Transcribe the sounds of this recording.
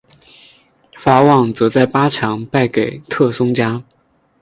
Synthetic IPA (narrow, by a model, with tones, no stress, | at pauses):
fa˧˥wɑ˥˩ŋt͡sɤ˧˥t͡sa˥˩ɪpa˥ʈ͡ʂʰɑ˧˥ŋpa˥˩ɪke˨˩ɪt̪ʰɤ˥˩sʊ˥ŋt͡ɕja˥